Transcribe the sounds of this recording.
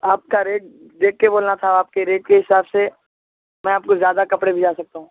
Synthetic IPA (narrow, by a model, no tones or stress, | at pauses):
aːp̚kaɾeːʈ̚ | d̪eːkːeboːlnat̪ʰaaːp̚keɾeːʈ̚keɦɪsaːbse | mɛ̃aːp̚kozjaːd̪akɐpɽebʱid͡ʒaːsɐk̚t̪aɦũː